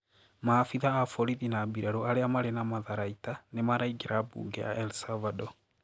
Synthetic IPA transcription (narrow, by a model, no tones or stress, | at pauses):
maːfiðaːfɔɾiðinaːbiɾaɾoaɾeamaɾenamaðaɾaitanemaɾaiɡeɾabṵːɡɛa̰ʔɛlsavadɔ